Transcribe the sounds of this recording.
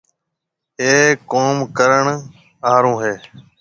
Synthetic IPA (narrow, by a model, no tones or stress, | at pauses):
eːkoːmkəɾəɳ | aːɾõːɦeː